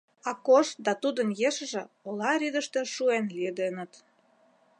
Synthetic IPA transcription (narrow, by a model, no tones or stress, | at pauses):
ɑkoʃt̪̚d̪ɑt̪ud̪ənjeʃə̆ʒĕ | olɑɾʲid̪ə̆ʃt̪ĕʃuenlied̪enə̆t̪